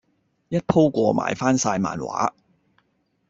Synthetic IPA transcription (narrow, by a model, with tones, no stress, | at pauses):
jɐ˥t̚pʰo˥wkʷɔː˧mʔa̰ː˨˩jfaː˥nsaː˧jma̰ː˨nwa̰ː˨˥